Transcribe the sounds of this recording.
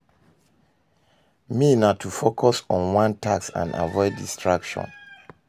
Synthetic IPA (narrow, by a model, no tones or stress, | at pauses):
minatʰufokʰɔsɔ̃nwãntʰaksã̰na̰vɔɪddistʰɹakʃɔ̰̃n